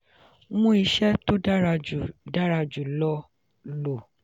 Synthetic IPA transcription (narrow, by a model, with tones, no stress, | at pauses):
mũ˦i˧ʃɛ˦to˦da˦ɾa˧d͡ʒu˨da˦ɾa˧d͡ʒu˨lɔ˦ | lo˨